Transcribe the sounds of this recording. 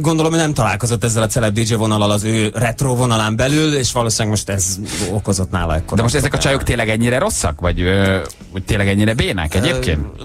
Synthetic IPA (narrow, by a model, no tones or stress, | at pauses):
ɡo̞nd̪o̞lo̞monɛmt̪ɒla̰ːlko̞zo̞t̪ːɛzːɛlɒt̪sɛlɛb̚d̪id͡ʒevo̞nɒlɒlɒzøːrɛt̪roːvo̞nɒlaːmbɛlyleːʃʋɒloːsinɛɡmo̞ʃt̪ɛzo̰ko̞zo̞t̪na̰ːlɒ̰ɛkːod̪ɛmoʃt̪ɛzɛkɒt͡ʃɒjokt̪eːnlːɛɡɛɲːiɾɛɾo̞sːɒ̰kvɒɟø | oc̚t̪eːlːɛɡɛɲːiɾɛbeːnɛ̰kɛɟeːpkḛːnt̪